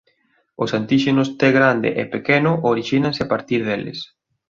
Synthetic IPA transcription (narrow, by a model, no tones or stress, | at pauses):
ʊsant̪iʃenʊst̪ɛɣɾand̪ɪ̰ʔepekɛnʊʔoɾiʃinãnsɪapaɾt̪iɾð̞elɪ̰s